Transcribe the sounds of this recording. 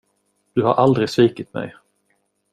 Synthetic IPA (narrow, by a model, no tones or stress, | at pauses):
d̪̥ɵha̰ɾʔald̪ɾɪsviːkɪt̪mɛ̰j